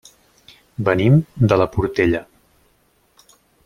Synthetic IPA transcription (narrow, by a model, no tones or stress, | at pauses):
bənimd̪ələpuɾt̪eʎə